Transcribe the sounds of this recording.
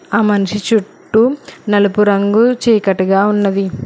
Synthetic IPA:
aːmɐniʃit͡ʃuʈːunɐlɐpuɾɐŋɡut͡ʃiːkɐʈuɡaːunːɐd̪i

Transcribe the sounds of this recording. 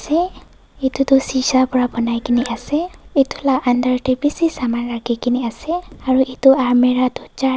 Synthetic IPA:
se | it̪ut̪usisapuɾabʱɔnajkiniʔasɛit̪u̥laand̪aɾʈibisisamanɾaɡikiniaseaɾuʔit̪uaɾmeɾat̪ut͡ʃa

